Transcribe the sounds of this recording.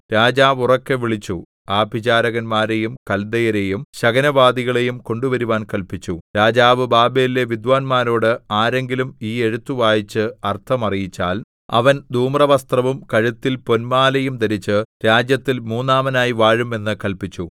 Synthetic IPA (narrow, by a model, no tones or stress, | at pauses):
ɾaːd͡ʑaːʋurɐkːeʋiɭit͡ɕːu | aːbid͡ʑaːɾɐɣɐnmaːɾe̞jumkɐld̪ɐjɐɾejumɕɐɡɐnɐʋaːd̪iɣɐɭe̞jumko̞ɳɖuʋɐɾuʋaːnkɐlpit͡ɕːuɾaːd͡ʑaːʋɨbaːbeile̞ʋid̪ʋaːnmaːɾo̞ːɽɨaːɾe̞ŋɡilumiːe̞ɻut̪ːuʋaːjit͡ɕːɨɐrt̪ʰɐmɐrijit͡ɕːaːl | ɐ̰ʋɐnd̪ʱuːmrɐʋɐst̪rɐʋumkɐɻut̪ːilpo̞nmaːlɐjumt̪ɐɾit͡ɕːɨɾaːd͡ʑjɐt̪ːilmuːnːaːmɐnaːjiʋaːɻume̞nːɨkɐlpit͡ɕːu